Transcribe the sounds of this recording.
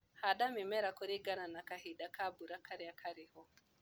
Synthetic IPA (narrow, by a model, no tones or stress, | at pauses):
haɗamimɛɾakuɾiɡananakahiɗakabuɾakʰaɾiakʰaɾihɔ